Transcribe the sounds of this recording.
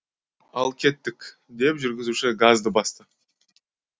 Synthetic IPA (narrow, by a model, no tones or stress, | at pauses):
ɑlˠkʲʰe̞t̪ːɪkʲ | d̪e̞pʒʏɾɡʲɪzuʃɪɡazd̪əbɑst̪ə